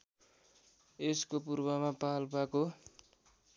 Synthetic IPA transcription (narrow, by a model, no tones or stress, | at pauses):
eskopurbʌmapalpako